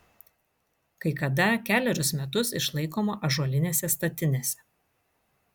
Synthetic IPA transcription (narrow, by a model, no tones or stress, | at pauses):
kɐɪkɐd̪ɐkʲæːlʲɛɾʲʊsmʲɛt̪ʊsɪʃlˠɐɪkoːmoːʔɐʒuɔlʲɪnʲeːsʲɛst̪ɐt̪ʲɪnʲeːsʲɛ̥